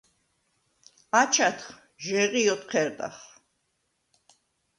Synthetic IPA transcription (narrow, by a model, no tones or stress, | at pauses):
at͡ʃʰat̪ʰχ | ʒɛʁiɔt̪qʰɛɾd̪ʼa̰χ